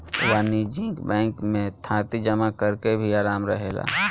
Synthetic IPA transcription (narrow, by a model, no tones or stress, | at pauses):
waːnid͡ʒɪ̃ŋkbɛ̃ːŋkmẽt̪ʰãːt̪id͡ʒəmakəɾkebʱiaːɾaːmɾə̰ɦeːla̰ː